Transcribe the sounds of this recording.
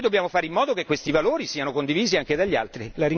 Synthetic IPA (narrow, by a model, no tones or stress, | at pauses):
jd̪obːjaːmofaːɾeimːɔːd̪okekːwest̪ivaloːɾisiːanokond̪iviːziaŋked̪aʎːa̰lt̪ɾilaɾi